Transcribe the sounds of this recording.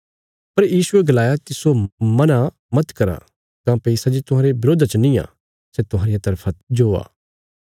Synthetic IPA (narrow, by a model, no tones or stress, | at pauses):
pɐɾjiːsʊeɡɐlaːjakisomɐna | mɐt̪kɐɾa̰ | kãːpɛisad͡ʒit̪ʊɦaːɾebɪɾoːd̪ʱat͡ʃənĩa̰ː | sɛt̪ʊɦãːɾɪjat̪ɐɾpʰad͡ʒoːa̰ː